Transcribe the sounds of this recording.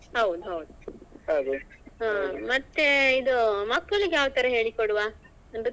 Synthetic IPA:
ɦɐwd̪uɦɐwd̪uhɐwd̪uaːmɐt̪ːeid̪umɐkːɐɭiɡjaːʋt̪ɐɾeɦeːɭikoɽuʋaː | ɐn

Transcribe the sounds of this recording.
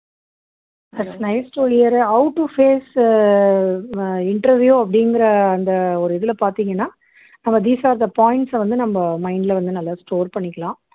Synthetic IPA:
d̪ɐʈsnɐjsʈoːɾɪjɐɾɐʊʈːufeːs | ɪɳʈɐɾʋjuɐp̬ːɐɽɪŋɡɪɾɐːnd̪ɐɔɾɯɪðɪlɐpaːɾt̪iːŋɡɐnːaː | nɐmːɐd̪iːsaːɾd̪ɐpaːɪɳʈsʋɐnd̪ɯnɐmbɐmɐɪɳɖɪlɐʋɐnd̪ɯnɐlːasʈoːɾpɐɳːɪkʲːɐlãː

